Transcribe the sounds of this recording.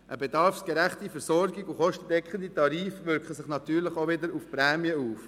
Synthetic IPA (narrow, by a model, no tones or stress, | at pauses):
ʔəbedɑɾfsɡ̥ɛɾæχtifɛəɾsɔɾɡiɡuχɔʃtəd̥ɛkχənditɑɾiːfʋʏɾkχəsɪχnɑt̪yːɾlɪχoʋɪdəɾufpɾɛːmjəuːf